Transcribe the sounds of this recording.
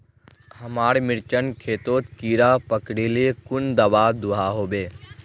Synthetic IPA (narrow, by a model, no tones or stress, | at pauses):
həmaːɽmɪɾt͡ʃənkʰeːt̪oːt̪kiːɾapəkɽiliekʊnd̪ɐʋad̪ʊɦaɦoːbeː